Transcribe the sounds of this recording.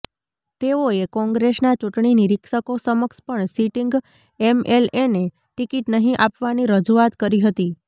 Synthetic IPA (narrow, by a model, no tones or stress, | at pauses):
t̪eoekɔ̃ŋɡɾesnat͡ʃuʈɳiniɾɪkʃəkosəməkspəɳsiʈiŋɡ | emelene | ʈikiʈnəɦĩʔapʋaniɾəd͡ʒuat̪kəɾiɦət̪i